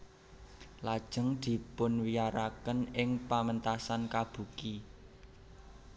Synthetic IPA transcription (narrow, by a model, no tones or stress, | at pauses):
lad̥ʒ̥ə̤ŋd̪̥i̤pʊnwijaɾakənɪŋpamənt̪asankab̥ṳki